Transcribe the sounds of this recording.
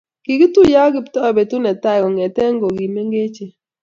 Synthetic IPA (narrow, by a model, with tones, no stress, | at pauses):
ki˨ki˦tu˦ja˦ɡi˦ptɔ˦˨be˨tu˦nɛ˨ta˦˨kɔ˨ŋɛ˨tɛ˦ŋɡo˨ɡi˨me˦ŋɡe˦t͡ʃe˨